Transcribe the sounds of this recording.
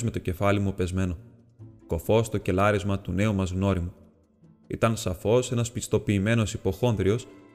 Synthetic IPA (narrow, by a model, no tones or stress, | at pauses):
zme̞t̪o̞ce̞fɐlimupe̞zme̞no̞ | ko̞fo̞st̪o̞ce̞lɐɾizmɐt̪une̞umɐzɣno̞ɾimu | ḭt̪ɐnsɐfo̞se̞nɐspist̪o̞piːme̞no̞sipo̞xo̞nðɾio̞s